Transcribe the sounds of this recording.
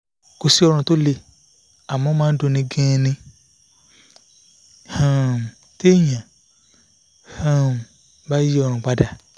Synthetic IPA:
ko˧si˦ɔ˧ɾ̃ã˧to˦le˧ | a˨mɔ̃˨˦mãː˦do˧nĩ˧ɡɛ̃˦˧nĩ˧ | hã˨ | te˦˨jã˨ | hã˦˨ | ba˦ji˦ɔ˧ɾ̃ã˧k͡pa˧da˨

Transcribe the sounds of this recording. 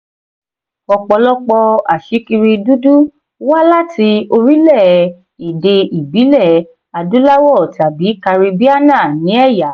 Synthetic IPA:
ɔ˧k͡pɔ˧lɔ˦k͡pɔ˧a˨ʃi˨˦ki˧ɾi˧du˦du˦ | wa˦la˦ti˧o˧ɾi˦lɛ˦˨ | i˨de˧i˨bi˨˦lɛ˦˨ | a˧du˨˦la˦wɔ˦˨ta˨bi˨˦ka˧ɾi˧bi˦a˦nã˦˨nĩ˨˦ɛ˦˨ja˨˦

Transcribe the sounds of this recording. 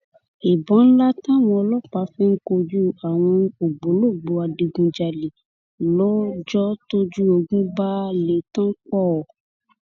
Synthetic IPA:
e˨bɔ̃˨˦n̩˦la˦tã˦˨w̃ɔ̃˧ɔ˧lɔ˦k͡pa˧˦fɛ˦ŋ̩˦ko˧d͡ʒu˦a˨w̃ɔ̃˧o˨ɡ͡bo˨˦lo˦˨ɡ͡bo˧a˨di˧ɡũ˧d͡ʒa˨li˨ | lɔ˦d͡ʒɔ˦to˦d͡ʒu˦o˧ɡũ˦ba˦le˨tã˦k͡pɔ˦˨

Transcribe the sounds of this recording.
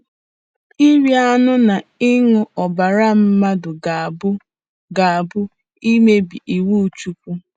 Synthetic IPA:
i˦wi˦a˦nʊ˦na˨ɪ˦ŋʊ˦ɔ˨ba˨ɾa˦m̩˦ma˦dʊ˨ɡbʊ˦ | ɡa˨a˨bʊ˦ | i˦me˦bi˨ʔi˨wu˦˨t͡ʃu˦pu˦

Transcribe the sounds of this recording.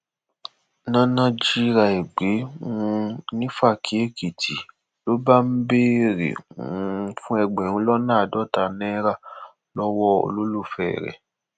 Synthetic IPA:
nã˦nã˦d͡ʒi˦ɾa˧e˨ɡ͡be˨˦ũ˧nĩ˦fa˦˨kʰi˨˦e˦˨ke˨tʰi˨ | lo˦ba˦m̩˦be˦˨ɾḛ̃˨˦˧ | fũ˦ɛ˧ɡ͡bɛ̃˨ũ˧˦lɔ˦nãː˦a˨dɔ˦ta˧nɛ̃˦ɾa˦˨ | lɔ˦wɔ˦o̰˧lo˦lo˦˨fɛː˦˨ɾɛ̰˨

